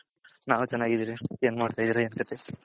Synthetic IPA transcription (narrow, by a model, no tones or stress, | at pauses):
naːʋt͡ʃɛnːaːɡid̪iːɾieːnmaːɽt̪aːjd̪iːɾɐeːnkɐt̪ʰe